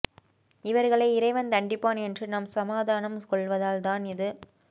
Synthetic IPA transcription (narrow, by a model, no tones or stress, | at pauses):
ɪʋɐɾɣɐɭɐɪɪɾɐɪʋɐnt̪ɐɳɖɪpːaːnɛndrɯnɐmsɐmaːðaːnɐmkɔɭʋɐðaːlt̪aːnɪðɯ